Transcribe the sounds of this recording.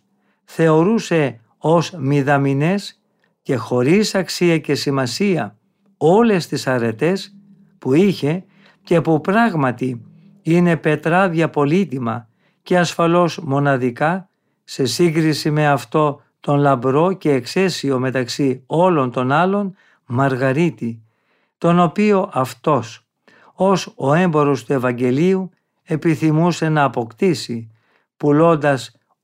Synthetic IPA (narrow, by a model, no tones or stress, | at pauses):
θe̞o̞ɾuse̞ | o̞smiðɐmine̞s | ce̞xo̞ɾisɐksiɐce̞simɐsiɐ | o̞le̞st̪isɐɾe̞t̪e̞s | puiçe̞ | cepupɾɐɣmɐt̪i | ine̞pe̞t̪ɾɐðʝɐpo̞lit̪imɐ̰ | ce̞ɐsfɐlo̞zmo̞nɐðikɐ | se̞siŋɡɾisime̞ɐft̪o̞ | t̪o̞nlɐbɾo̞ce̞ːkse̞sio̞me̞t̪ɐksio̞lo̞nt̪o̞nɐlo̞n | mɐɾɣɐɾit̪i | t̪o̞no̞pio̞ʔɐft̪o̞s | o̞so̞e̞mbo̞ɾo̞st̪ue̞vɐɲɟe̞liu | e̞piθimuse̞nɐːpo̞kt̪isi | pulo̞nd̪ɐs